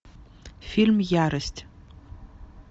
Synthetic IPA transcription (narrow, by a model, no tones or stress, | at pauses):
filmjaɾɨstʼ